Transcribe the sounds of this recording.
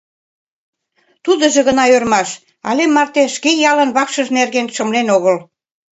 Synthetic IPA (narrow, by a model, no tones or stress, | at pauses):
t̪ud̪ə̆ʒĕɣə̆nɑørmɑʃ | ɑ̰lemːɑrt̪eʃkejɑlənβɑkʃə̆ʒnerɣenʃə̆mlenoɣəl